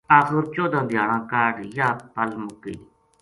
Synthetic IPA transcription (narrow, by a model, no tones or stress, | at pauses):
aːxəɾt͡ʃoːd̪ãːd̪ɪjaːɽãːkaːɖjaːpəlmʊkːḭː